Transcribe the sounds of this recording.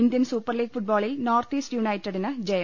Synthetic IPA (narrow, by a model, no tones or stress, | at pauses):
ind̪jɐnsuːpːɐrliːɡfuʈ̚boːɭilnoːrt̪iːsʈjunɐjtːɐɽinɐd͡ʑejɐ